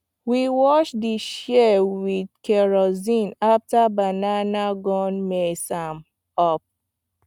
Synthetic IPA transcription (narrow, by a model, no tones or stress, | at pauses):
wiwɔt͡ʃdiʃewidkɛɹɔzĩnaftabananaɡɔ̃nmesam | ɔp̚